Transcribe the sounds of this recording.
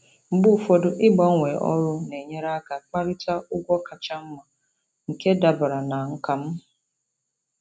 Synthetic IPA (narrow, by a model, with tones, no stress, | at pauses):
ŋ͡m̩˨ɡ͡bʊ˦˨fɔ˦dʊ˦ʔɪ˦ɡ͡bɔ˦ŋʷe˨ʔɔ̰˦ɾʊ˦ne˨ɲe˦ɾa˦ka˨k͡pa˦ɾɪ˦ta˦ʔʊ˦ɡʷɔ˦ka˨t͡ʃa˦m̩˦ma˨ | ŋ̩˨ke˦da˨bʊ˨ɾa˨na˨ŋ̩˦ka˨m̩˦